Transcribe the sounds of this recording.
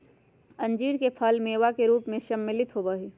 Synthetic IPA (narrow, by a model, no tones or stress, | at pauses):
ɐ̃nd͡ʒiːɽkepʰaːlmeːʋakeɾuːpmẽʃɐmːɪlɪt̪ɦoːbaɦeː